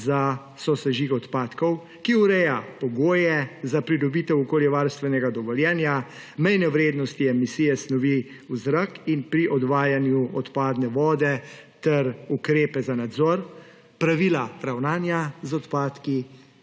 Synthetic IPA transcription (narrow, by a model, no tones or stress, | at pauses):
za | sɔsɛʒixɔt̪paːt̪kɔw | kiuɾɛjapɔɡoːjɛzapɾid̪ɔbiːt̪ɛwɔkoːljɛʋaɾst̪ʋɛnɛɡad̪ɔʋɔljɛːnja | mɛjnɛʋɾeːd̪nɔst̪iɛmisijɛsnɔʋi | uzɾakinpɾiʔɔd̪ʋaːjanjuɔt̪paːd̪nɛʋɔːd̪ɛ | t̪ɛɾukɾeːpɛzanad̪zɔɾ | pɾaʋilaɾawnaːnjazɔt̪paːt̪ki